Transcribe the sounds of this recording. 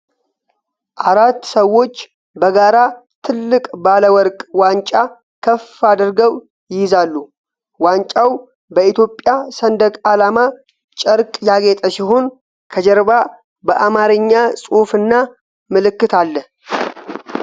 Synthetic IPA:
ʔaɾat̪ːsəwo̞t͡ʃː | bəɡaɾa | t̪ʰɨlːɨkʼbaləwɔɾkʼwant͡ʃʼa | kʰəfad̪ɾɡəw | jɪjɪzalːu | want͡ʃʼaw | bəit̪jo̞pʼːjasənd̪əkʼalama | t͡ʃʼəɾkʼjaɡet̪ʼəsiɦon | kʰəd͡ʒəɾba | bəʔamaɾɨɲːasʼufɨnːa | mɨlɨkːɨt̪ʰalːə

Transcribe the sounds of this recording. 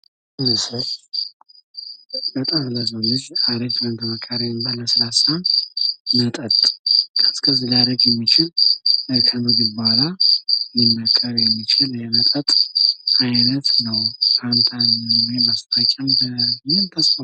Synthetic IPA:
ɨnsə | bət̪ʼamləzonɨd͡ʒad̪et̪ʰlənt̪ʰəməkʰʼːaɾenbaləsɨɾasa | nət̪ʼət̪ʼkʰəskʰəzilad̪əɡjɛmːit͡ʃɪl | kʰənɨɡɨbalajimːəkʼːəɾjɛmːit͡ʃʰɪljɛnət̪ʼət̪ʼʔajnət̪nəwkʰant̪ʰanwebəst̪ʰat͡ʃʼːanbəɨmɨnt̪ʰəsfo

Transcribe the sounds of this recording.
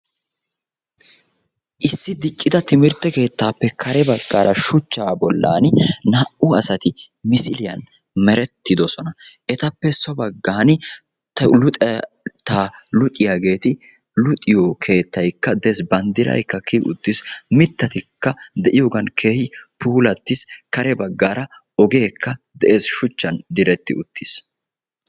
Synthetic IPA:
ʔɪsːɪd̪ɪt͡ʃʼːɪd̪ɐt̪ɪmɪɾt̪ːɛke̞ːt̪ːaːpːɛkʰɐɾɛbɐɡːaːɾʔɐʃʊt͡ʃːaːbɔlːa̰ːnnɐʔʊɐsɐt̪ɪ | mɪsɪlɪjɐ̰n | mɛɾɛt̪ːɪd̪ɔsɔnɐʔɛt̪ɐpːɛsɔbɐɡːaːn | t̪lʊ | t̪ɐlʊt̪ʼɪjaɡe̞ːt̪ɪ | lʊt̪ʼːɪjokʰe̞ːt̪ːɐjkːɐd̪eːsbɐnd̪ɪɾɐ̰jkːɐkiʔʊ̰t̪ːɪsmɪt̪ːɐt̪ɪkːɐd̪ɛʔɪjoːɡɐnkʰe̞ːhɪpuːlɐt̪ːɪskɐɾɛbɐɡːaːɾɐ | ɔɡe̞ːkːɐd̪ɛʔe̞ːsʃʊt͡ʃːɐnd̪ɪɾɛt̪ːɪʊt̪ʰːis

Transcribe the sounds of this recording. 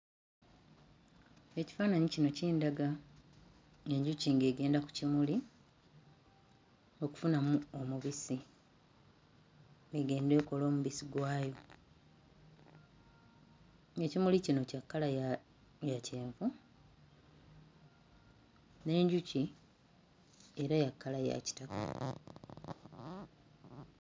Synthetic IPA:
e̞ci̥faːnaɲicino̞ciːndaɡa | e̞ɲɟuciŋɡe̞ːɡe̞ːndaku̥cimuli | o̞ku̥funamuo̞muβisi | eɡe̞ːnde̞ːko̞lo̞ːmuβisiɡwaːjo̞ | e̞cimulicino̞cakːalaj | jace̞ːɱvu | ne̞ːɲɟuci | e̞ɾajakːalaja̰ci̥taka̰

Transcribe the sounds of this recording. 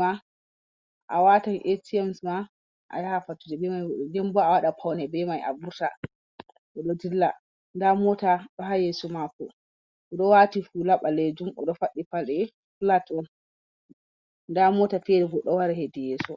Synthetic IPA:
ma | ʔa̰watanʔetiɛmsma | ʔa̰jahafatːud͡ʒɛbɛmajɔdɛmbɔawaɗapʰawnɛbɛmajʔa̰buɾta̰ | ʔɔɗɔdilːa | ndamɔtaɗɔɦajɛsɔmakɔ̰ | ɔɗɔwatifulaɓaled͡ʒumɔ̰ɗɔfaɗːifaɗɛ | fulatɔn | ndamɔtafɛɾɛɡɔɗɔwaɾɛɦedijɛːsɔ

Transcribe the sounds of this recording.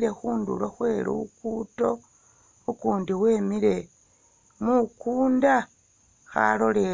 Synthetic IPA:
ɾe̞xuːndṵloxwe̞ːɾṵukuːto̞ | ukuːndiwe̞ːmiɾe̞ | mukuːnda | xa̰lo̞le

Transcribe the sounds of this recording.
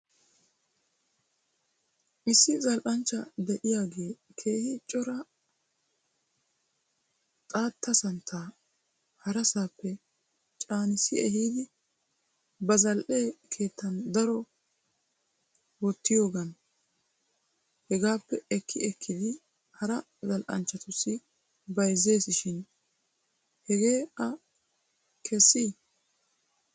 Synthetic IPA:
ʔɪsːɪzɐlʔɐnt͡ʃːɐd̪ɛʔɪjaːɡe̞ːkʰe̞ːhɪt͡ʃʼːɔɾɐ | t̪ʼaːt̪ʰːɐsɐnt̪ʰːaː | hɐɾɐsaːpːɛ | t͡ʃʼaːnɪsɪɛhiːd̪ɪ | bɐzɐlʔe̞ːkʰe̞ːt̪ːɐnd̪ɐɾɔ | wɔt̪ːɪjo̞ːɡɐn | hɛɡaːpːɛɛkʰːɪɛkʰːɪd̪ɪ | hɐɾɐ | zɐlʔɐ̰nt͡ʃːɐt̪ʊsːɪ | bɐjzːe̞ːsɪʃɪn | hɛɡe̞ːɐ | kʰɛsːiː

